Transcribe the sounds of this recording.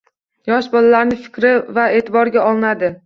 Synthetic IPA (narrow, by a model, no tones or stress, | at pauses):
jɒʃbɒlalaɾnɪfɪ̥kʲɾɪvae̞ːt̪ʰɪbɒɾɡʲaɒlˠɪnad̪ɪ